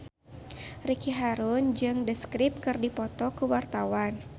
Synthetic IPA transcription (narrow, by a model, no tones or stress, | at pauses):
rikiɦaɾʊnd͡ʒɨŋdəskɾɪp̚kɨrdipɔt̪ɔkəwart̪awan